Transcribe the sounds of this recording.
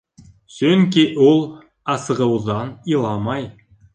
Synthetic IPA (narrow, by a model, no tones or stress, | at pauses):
sɵŋkiʔulˠ | ɑsɤ̆ʁɤ̆wðɑnilˠɑmɑj